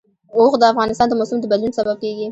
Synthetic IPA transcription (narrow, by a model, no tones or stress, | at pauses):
oxd̪əafɣɑnɪst̪ɑnd̪əmosʊmd̪əbad̪lunsabab̚keɡi